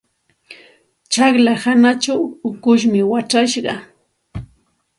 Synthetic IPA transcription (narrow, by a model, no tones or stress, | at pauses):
t͡ʃɑχlahanat͡ʃawʊkʊʃmɪwaʈ͡ʂaʃɢɑ